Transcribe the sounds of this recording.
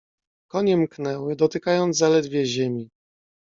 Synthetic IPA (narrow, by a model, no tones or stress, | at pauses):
kɔɲɛmknɛwɘd̪ɔt̪ɘkajɔnd̪zzalɛd̪vʲjɛʑɛmʲi